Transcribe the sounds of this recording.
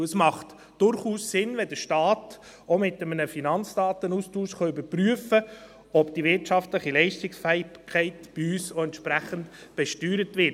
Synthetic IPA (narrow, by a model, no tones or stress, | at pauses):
əsmɑχt | d̥ʊɾχuːssɪnvɛdəɾʃtɑːt | omɪtəmənəfinɑnt͡sd̥ɑːtənustuːʃχɑʏbəɾpryəfə | ɔbd̥ivɪɾtʃɑftləχilɛɪʃtɪksfɛɪkʰːɛɪtb̥iyːsoɛntʃpɾæχənt | b̥ɛʃtyːɾətvɪt